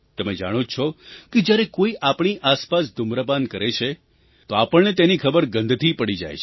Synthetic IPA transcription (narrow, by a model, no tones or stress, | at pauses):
t̪əmed͡ʒa̰ɽ̃ot͡ʃʰɔked͡ʒjaɾekoiʔapɳ̃iʔaspasd̪ʱʊmɾəpankəɾet͡ʃʰe | t̪oapəɳnet̪enikʰəbəɾɡə̃nd̪ʱt̪ʰipəɽid͡ʒa̰jt͡ʃʰe